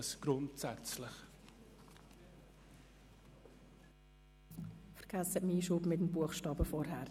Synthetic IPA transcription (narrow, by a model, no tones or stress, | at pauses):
sɡ̥ɾʊntsɛt͡slɪχ | fəɾɡ̥æsətmiːʃuːbmɪtəm̩buəχʃtɑːbəfɔɾɦæː